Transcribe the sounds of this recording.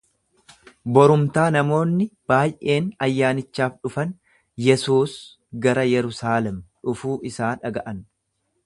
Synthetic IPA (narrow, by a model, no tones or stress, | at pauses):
bɔɾʊmt̪aːnɐmo̞ːnːɪb̥aːjʔe̞ːnɐjːaːnɪt͡ʃːaːfᶑʊfɐn | jɛsuːs | ɡɐɾɐjɛɾʊsaːlɛmᶑʊfuːʔɪsaːᶑɐɡɐʔɐn